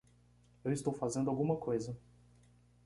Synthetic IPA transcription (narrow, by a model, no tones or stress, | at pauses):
ewist̪owfazẽnd̪awɡũmɐkʰojzɐ